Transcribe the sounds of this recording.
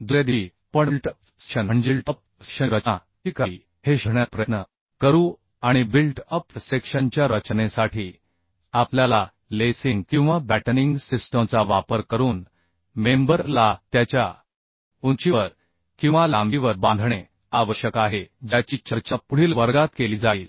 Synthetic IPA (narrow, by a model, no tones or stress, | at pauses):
d̪ujad̪i | pəɳlʈ | ɕənəɳd͡ʑilʈəp̚ | ɕəɾət͡ɕa | ikə | heɕəɳjapɾənə | kəɾu | aɽ̃ibilʈəpsekʂənt͡ɕjaɾət͡ɕnesaʈʰiː | apljala | lesiŋɡkĩw̃ʋabæʈəniŋɡsisʈəmt͡saʋapəɾkəɾuːn | membəɾlat̪jat͡ɕja | unt͡ɕiʋəɾ | kĩw̃ʋalambiʋəɾbãnd̪ʱɳe | aʋəɕjəkaɦed͡ʑjat͡ɕiːt͡ɕəɾt͡ɕapuɽ̤iːlʋəɾɡat̪keliːd͡zaiːl